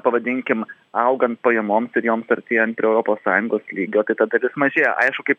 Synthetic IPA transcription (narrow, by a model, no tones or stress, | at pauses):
pɐʋɐd̪ʲɪŋʲkʲɪm | ɐʊɡɐnt̪̚pɐjɛmoːmsɪɾjoːmsɐɾʲt̪ʲeːjɛnt̪pʲɾʲiːɛʊɾopoːssɑːjʊŋɡoːslʲiːɡʲoːt̪ɐɪt̪ɐd̪ɐlʲɪsmɐʒʲeːjɛʔɐɪʃkʊkɐɪp